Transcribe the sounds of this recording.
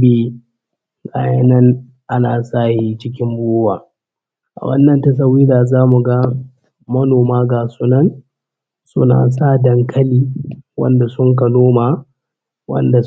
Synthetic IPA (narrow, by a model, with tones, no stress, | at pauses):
biː˦ | kaː˦jɐ˦nɐ˦ŋ | ʔa˦naː˨saː˦hi˦t͡ʃɪ˦k̬ʲɪ˦mboː˦waː˨ | ʔa̰˨wɐ̰˦nːɐ˨ntɐ˦s̬ɐ˦wiː˦daː˨zaː˦mu˨ɡa˦ | mɐ˦noː˨maː˦ɡaː˨suː˦nɐ˦˨n | sʊ̰˦na̰ː˨s̬a˦˨dɐ˨ŋkʰɐ˦liː˨wɐ̰˦nda˨sʊ˦ŋk̬ɐ˨noː˦maː˨ | wɐ̰˦nda˨